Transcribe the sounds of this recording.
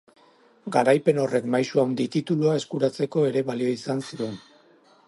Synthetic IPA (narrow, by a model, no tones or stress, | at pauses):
ɡaɾajpe̞no̞re̞kmajsuawnd̪it̪it̪uluae̞skuɾat͡se̞ko̞e̞ɾe̞βalio̞isansie̞n